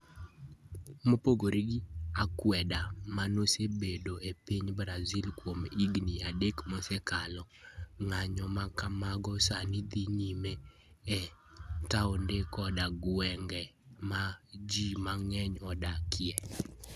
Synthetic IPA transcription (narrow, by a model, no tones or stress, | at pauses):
mopoɡoɾiɡɪakwɛdamanosebedoepiɲbɾazilkwomiɡniadekmosekalɔŋaɲɔmakamaɡɔsanid̪iɲime | ɛtaɔndekɔdaɡwɛŋɡɛmad͡ʒimaŋɛɲɔdakɪjɛ